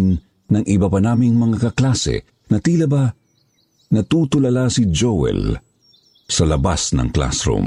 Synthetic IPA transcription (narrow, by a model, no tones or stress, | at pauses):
n | nɐŋʔɪbɐpɐnaːmiŋmɐŋakɐklaːsɛ̰ | nɐt̪iːlɐba | nɐt̪uːt̪ʊlɐlasid͡ʒowɛ̰l | sɐlɐbasnɐ̰ŋkla̰sɾṵm